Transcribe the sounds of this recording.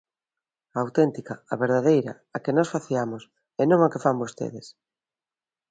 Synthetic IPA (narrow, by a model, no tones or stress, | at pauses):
aːwt̪ent̪ikaaβeɾðað̞ejɾɐ | akenɔsfaθiamos | enõŋakefambost̪ḛðes